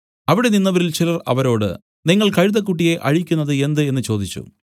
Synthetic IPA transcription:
ɐʋiɽe̞ninːɐʋɐɾilt͡ɕilɐrɐ̰ʋɐɾo̞ːɽɨ̰ | niŋːɐɭkɐɻuðɐkːuʈːije̞ʔɐ̰ɻikʲːunːɐðɨe̞nd̪ɨe̞nːɨt͡ɕo̞ːd̪it͡ɕːṵ

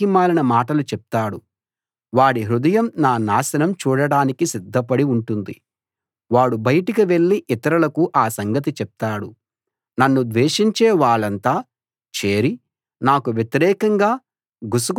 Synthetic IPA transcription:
imaːlɐnɐmaːʈɐlut͡ʃɛp̚t̪aːɽu | ʋaːɽiɦɾud̪ɐjɐmnaːnaːsɐnɐmt͡ʃuːɽɐɽaːnikisid̪ʱːɐpɐɽiuɳʈund̪i | ʋaːɽubɐjɐʈikiʋe̞ɭːiʔit̪ɐɾulɐkuʔaːsɐŋɡɐt̪it͡ʃɛp̚t̪aːɽu | nɐnːud̪ʋeːʂiɲt͡ʃɛːʋaːɭɐnt̪aː | t͡ʃeːɾi | naːkuʋjet̪iɾɛːkɐŋɡaː | ɡusuk

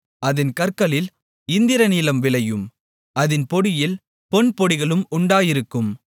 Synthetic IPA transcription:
ɐðɪnkɐɾkɐɭɪl | ɪnd̪ɪɾɐniːlɐmʋɪɭɐjɯm | ʔɐðɪnpɔɽɪjɪl | pɔnpɔɽɪɣɐɭɯmʊɳɖaːjɪɾɯkːɯm

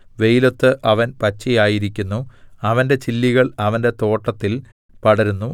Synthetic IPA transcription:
ʋe̞jilo̞t̪ːɨʔɐʋɐnpɐt͡ɕːijaːjiɾikʲːunːuɐʋɐnde̞t͡ɕilːiɣɐɭɐʋɐnde̞t̪o̞ːʈːɐt̪ːil | pɐɽɐɾunːu

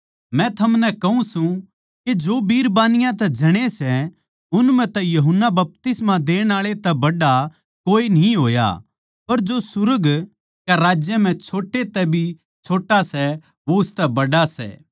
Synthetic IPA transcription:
mɛ̃t̪ʰɐmnɛkɐũsũ | ked͡ʒoːbiːɾbaːnɪjãt̪ɛ̃d͡ʒʱɐɽ̃esɛ | ʊnmɛ̃t̪ɛjɐɦʊnːabɐp̚t̪ɪsmãd̪eːɽ̃aːɭet̪ɛbɐɖa | koːinĩɦo̰ːja̰ | pɐɾd͡ʒosʊɾəɡ | kaɾaːd͡ʒjəm̤ɛ̃t͡ʃʰoːʈet̪ɛbʱi | t͡ʃʰoːʈːasɛ | ʋoʊst̪ɛbɐɖasɛ̰ː

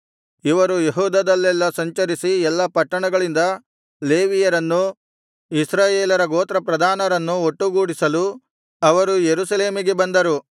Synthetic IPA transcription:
iʋɐɾujeɦuːd̪ɐd̪ɐlːɛlːɐsɐɲt͡ʃɐɾisiɛlːɐpɐʈːɐɳɐɡɐɭind̪ɐ | le̞ːʋijɐɾɐnːu | isɾaːjeːlɐɾɐɡoːt̪ɾɐpɾɐd̪ʱaːnɐɾɐnːuoʈːuɡuːɽisɐlu | ɐʋɐɾujeɾusɐle̞ːmiɡebɐnd̪ɐɾu

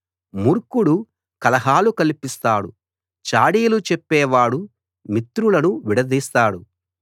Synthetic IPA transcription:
muɾkuɽu | kɐlɐɦaːlukɐlipist̪aːɽṵ | t͡ʃaːɽiːlut͡ʃɛpːɛːʋaːɽu | mit̪ɾulɐnuʋiɽɐd̪iːst̪aːɽu

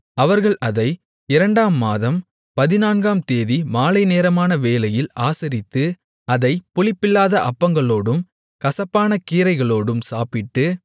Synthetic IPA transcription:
ɐʋɐɾɣɐɭɐðɐɪ | ɪɾɐɳɖaːmːaːðɐm | pɐðɪnaːnɡaːmt̪eːðimaːlɐɪneːɾɐmaːnɐʋeːlɐjɪlaːsɪɾɪt̪ːɯ | ɐðɐɪpʊɭɪpːɪlːaːðɐʔɐpːɐŋɡɐɭoːɽɯm | kɐsɐpːaːnɐkiːɾɐɪɣɐɭoːɽɯmsaːpɪʈːɯ

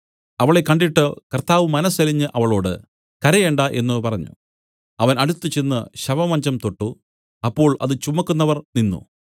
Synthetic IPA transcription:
ɐʋɐɭe̞kːɐɳɖiʈːɨkɐrt̪aːʋɨmɐnɐsɐliɲːɨʔɐʋɐɭo̞ːɽɨ | kɐɾɐjeɳɖaʔe̞̰nːupɐrɐɲːṵ | ɐʋɐnɐɽut̪ːɨt͡ɕenːɨɕɐʋɐmɐɲd͡ʑɐmt̪o̞ʈːu | ɐpːo̞ːɭɐ̰ðɨt͡ɕumːɐkːunːɐʋɐrninːṵ

